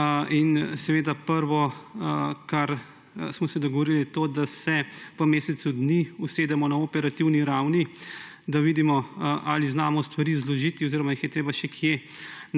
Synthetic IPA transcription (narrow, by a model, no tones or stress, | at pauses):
ʔinsɛʋeːd̪apəɾʋɔ | kaɾ | smɔsɛd̪ɔɡɔʋoɾilijɛt̪oːd̪asɛʋəmeːsɛt̪sud̪niuseːd̪ɛmɔnaopɛɾat̪iwniɾawnid̪aʋid̪imɔʔaːliznaːmɔst̪ʋaɾiːzlɔʒit̪iɔziːɾɔmajixjɛt̪ɾeːbaʃɛkʰje